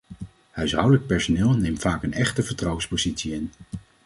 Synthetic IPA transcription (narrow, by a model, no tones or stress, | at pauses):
hœɥsɦʌwdələk̚pɛɹsonɪːlˠnejmfaːkənɛχtəvəɹtrʌwənspozitsiɪn